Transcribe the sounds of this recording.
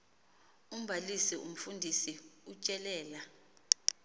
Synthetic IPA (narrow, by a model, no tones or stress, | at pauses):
um̩bʱalisiʔum̩fundʱisiut͡ʃʼɛlɛːla